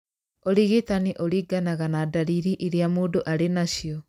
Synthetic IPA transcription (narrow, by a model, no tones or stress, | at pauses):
oɾiɣitaniʔoɾiɡanaɣanadaɾiɾiʔiɾjamuːdoʔaɾenaʃiɔ